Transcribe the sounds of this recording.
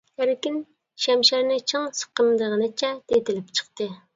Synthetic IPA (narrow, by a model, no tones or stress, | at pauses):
hæɾkʲin | ʃɛmʃæɾnɪt͡ʃʰɨŋsə̥qəmd̪əʁənɨt͡ʃʰɛd̪̥et̪ɪlɪpt͡ʃʰə̥qt̪ɨ